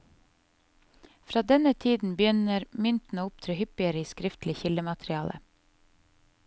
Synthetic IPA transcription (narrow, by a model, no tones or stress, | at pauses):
fɾɑːd̪ɛnət̪ʰiːd̪n̩bjʏnəɾmʏnt̪n̩əʊpt̪ʰɾʉːhʏpɪəɾəiːskɾɪft̪lɪçɪləmɑt̪ɾɪɑːlə̰